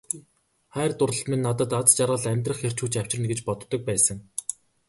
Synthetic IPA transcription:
χæːrt̪ʊrə̆ɬt̪menːat̪ə̆t̪at͡st͡ɕarʁə̆ɮæmʲt̪̬rə̆χxer̥t͡ɕuːt͡ɕaw̥ʲt͡ɕɪ̆rnɡĕt͡ɕpɔt̪ːɞ̆k̚pæːsə̆ŋ

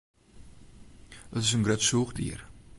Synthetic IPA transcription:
ətɪs̬ənɡɾœtsuːχdḭːr

